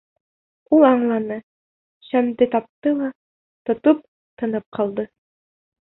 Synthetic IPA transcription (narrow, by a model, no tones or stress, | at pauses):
ulˠɑɴlˠɑnɤ | ɕæmd̪ɘt̪ɑp̚t̪ɤlˠɑ | t̪ŏt̪op̚ | t̪ɤ̆nɤp̚qʰɑlˠd̪ɤ